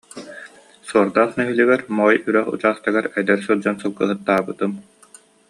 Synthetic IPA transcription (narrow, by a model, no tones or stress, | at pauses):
suɔɾd̪aːχnœɦylyɡɛɾmɔjyɾœχṵt͡ɕaːχt̪aɡaɾɛd̪ɛɾsɯlˠd͡ʑɔnsɯlˠɡɯɦɯt̪ːaːbɯt̪ɯm